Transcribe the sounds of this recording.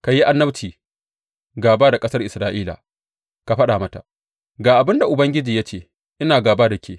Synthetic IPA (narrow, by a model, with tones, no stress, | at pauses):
ka˨ji˦ʔa˦nːɐ˦t͡ʃiː˨ | ɡaː˨baː˦da˨kʼɐ˦sɐ˦rʔɪ˨sɾaː˦ʔiː˦la̰˨ | ka˨ɸɐ˦ɗa˨mɐ˦ta̰˨ʔ | ɡaː˨ʔa˨bɪ˦nda˨ʔʊ˨bɐ˦ŋɡʲɪ˦d͡ʒiː˨ja˦t͡ʃeː˦˨ | ʔɪ˦naː˨ɡaː˨baː˦da˨kʲeː˦